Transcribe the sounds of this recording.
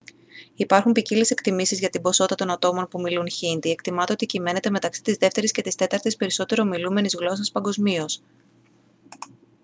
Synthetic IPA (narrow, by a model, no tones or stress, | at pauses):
ipɐɾxumpicile̞se̞kt̪imisizʝɐt̪ibo̞so̞t̪ɐt̪o̞nɐt̪o̞mo̞npumilunçind̪ie̞kt̪imɐt̪eot̪icime̞ne̞t̪e̞me̞t̪ɐksi̥t̪izðe̞ft̪e̞ɾisce̞t̪ist̪e̞t̪ɐɾt̪ispe̞ɾiso̞t̪e̞ɾo̞milume̞nizɣlo̞sɐspɐŋɡo̞zmios